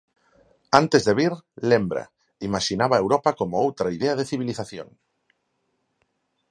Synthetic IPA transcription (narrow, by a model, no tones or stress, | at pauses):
ant̪ezðeβ̞iɾlembɾa̰ | imaʃinaβaewɾopakomoowt̪ɾaiðeað̞eθiβiliθaθjo̰ŋ